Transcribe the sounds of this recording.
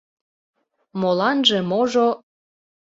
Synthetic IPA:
molɑnʒemoʒo

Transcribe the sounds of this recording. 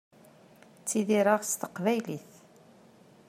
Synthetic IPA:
t͡sːiðiɾɑʁst̪ə̥qvæjliθ

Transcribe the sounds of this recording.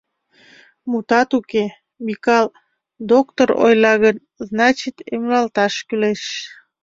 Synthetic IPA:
mut̪ɑt̪uke | mikɑl | d̪okt̪oɾo̰jlɑɣən | znɑt͡ɕit̪emlɑlt̪ɑʃkyleʃ

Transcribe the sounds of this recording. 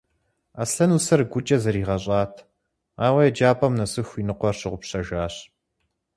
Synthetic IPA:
asɐnusɐrɡʷʊt͡ʃʼɐzɐɾiːʁɐɕʼɑːtʰ | aːwɐjɛd͡ʒaːpʰʼɐmnɐsɨxʷinɨqʷɔrɕɪʁʷʊpɕɐʒaːɕ

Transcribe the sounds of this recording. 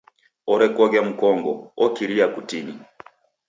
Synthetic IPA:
ɔɾɛkwɔɡam̩kɔŋɡɔ̰ɔkiɾiakutini

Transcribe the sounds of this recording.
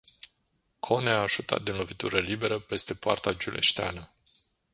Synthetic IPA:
kʰo̞neaːʒut̪a̰t̪̚d̪inlo̞vit̪uɾəlibe̞ɾəpe̞st̪e̞poa̰rt̪ad͡ʒulʔḛʃt̪ea̰nə

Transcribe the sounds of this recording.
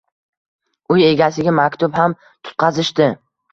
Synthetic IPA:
ʊje̞ɡʲasɪɡʲamakʲt̪ʊbham | t̪ʰʊ̥t̪̚qʰɑzɪʃt̪ɪ

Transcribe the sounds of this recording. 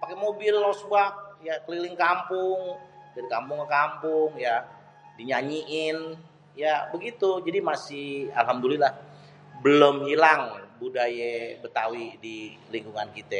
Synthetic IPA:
pakɛmobɪlːɔsbak̚jakəlilɪŋkampʊŋdaɾikampʊŋəkampʊŋja | diɲaɲiʔɪn | jabəɡit̪ud͡ʒadimasɪhalɦamd̪ulilah | bəlomhilaŋbudajɛbət̪awidiliŋkuŋankit̪ɛ

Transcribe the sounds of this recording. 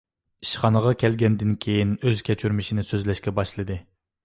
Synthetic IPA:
i̥ʃχɑnəʁɑkʲɛlɡʲɛnd̪ɪnkʲʰejinøz̥kʲʰɛt͡ʃʰyɾmɪʃinɪsøzlɛʃkʲɛbɑʃlˠɨd̪ɨ

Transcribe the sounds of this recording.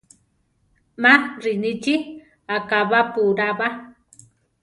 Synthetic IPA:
maɾinit͡ʃi | akaβapuɾaba

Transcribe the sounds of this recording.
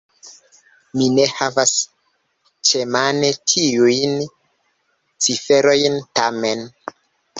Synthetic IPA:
mine̞havas | t͡ʃemane̞tʰiujn | t͡sife̞ɾo̞jntame̞n

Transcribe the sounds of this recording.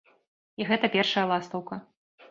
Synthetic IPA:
iɣɛt̪ɐpʲɛrʂɐjɐlˠast̪ɐwkɐ

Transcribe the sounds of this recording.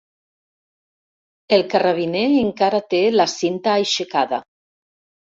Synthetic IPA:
elˠkaraβ̞ineːŋkaɾat̪elasint̪aːjʃekaða

